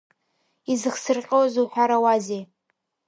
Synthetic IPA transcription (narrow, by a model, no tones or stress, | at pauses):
izɨχsɨrqʲʼəwzuħʷᶣaɾawazej